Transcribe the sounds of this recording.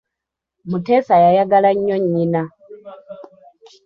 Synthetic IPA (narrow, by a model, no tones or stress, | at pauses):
mutesajajaɡalaɲːoɲːina